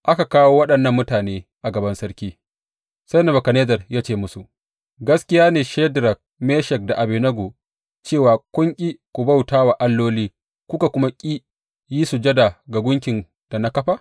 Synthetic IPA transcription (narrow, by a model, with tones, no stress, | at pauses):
ʔa˦ka˨kaː˦woː˦wɐ˦ɗɐ˨nːɐ˦˨mːʊ˦taː˨neː˦ʔa˨ɡɐ˨bɐ˦nsɐ˦ɾkʲiː˦ | sɐ˦jnɐ˨bɐ˨ka˨neː˦d͡ʒɐ˨rjaː˦t͡ʃeː˦˨mʊ˦su˨ʔ | ɡɐ˦skʲɪ˦jaː˦neː˨ʃeː˦dɾɐ˨k̚meː˦ʃɛ˨k̚da˨ʔa˨beː˨nɐ˦ɡoː˨ | t͡ʃeː˦˨waː˨kʷʼʊ˦ŋkʲʼi˦kʷu˨ba˦˨wtaː˦wa˨ʔa˦lːoː˦liː˦ | kʷʊ˦ka˨kʷʊ˦ma˦kʲʼiː˦ | jiː˦su˨d͡ʒɐ˦da˨ɡa˨ɡʷʊ˦ŋkʲɪ˨n | d̥a˨na˦kɐ˦ɸa˦